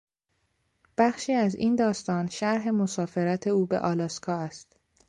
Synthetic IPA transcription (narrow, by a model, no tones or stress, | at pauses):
b̥æχʃiːæzḭːnd̪ɒːst̪ɒːnʃæɾɦe̞mosɒːfe̞ɾæt̪ʰe̞uːbḛʔɒːlɒːskʰɒːæst̪